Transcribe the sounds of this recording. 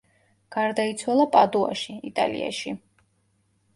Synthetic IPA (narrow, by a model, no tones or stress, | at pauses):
ɡ̥aɾd̪ait̪sʰwalˠapʼad̪ua̰ʃiit̪ʼalḭa̰ʃi